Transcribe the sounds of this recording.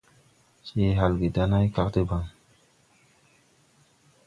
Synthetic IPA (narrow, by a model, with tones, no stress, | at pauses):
t͡ʃe˦ɦa˨lɡe˨da˦na˦jka˦ktə˦ba˨ŋ